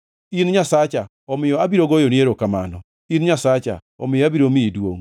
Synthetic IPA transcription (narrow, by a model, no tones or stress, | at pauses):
inɲasat͡ʃa | ɔmɪjɔabiɾoɡojonɪeɾokama̰nɔ | inɲasat͡ʃa̰ | ɔ̰mɪjɔabiɾomɪidwo̰ŋ